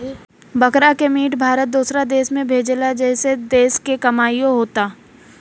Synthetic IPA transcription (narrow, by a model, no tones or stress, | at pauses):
bɐkɾakemiːʈbʱaːɾət̪̚d̪uːsɾad̪eːsmẽbʱeːd͡ʒlad͡ʒɛːsed̪eːskekɐmaːijõɦoːt̪aː